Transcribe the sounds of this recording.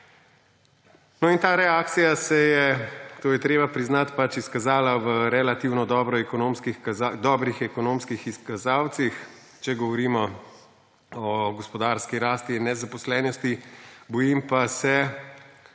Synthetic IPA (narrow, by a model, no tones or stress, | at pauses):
nɔint̪aːɾɛaːk̚t̪sijasɛjɛt̪oːjɛt̪ɾeːbapɾiznat̪pat͡ʃiskazaːlaʋəɾɛlat̪iːwnɔd̪ɔːbɾɔɛkɔnoːmskixzad̪ɔːbɾixɛkɔnoːmskixiskazaːwt̪six | t͡ʃɛɡɔʋɔɾiːmɔ | ɔɡɔspɔd̪aːɾskiɾaːst̪inɛzapɔslɛːnɔst̪ibɔjimpasɛ